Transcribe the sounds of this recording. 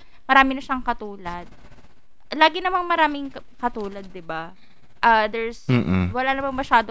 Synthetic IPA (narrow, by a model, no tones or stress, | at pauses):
mɐɾaːmɪnɐʃɐŋkɐt̪uːlɐd̪̚ | laːɡɪnɐmaŋmɐɾaːmɪŋkkɐt̪uːlɐd̪ːɪba | ʔad̪ɛɹs̩wɐlanɐmaŋmɐʃaːd̪o